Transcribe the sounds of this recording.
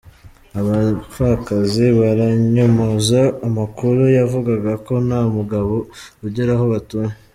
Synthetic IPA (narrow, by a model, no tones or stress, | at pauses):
aβafakaziβaɾaɲomozaːmakuɾujavuɡaɡako̞namuɡaβo̞uɟeɾaɦo̞βatuːɲe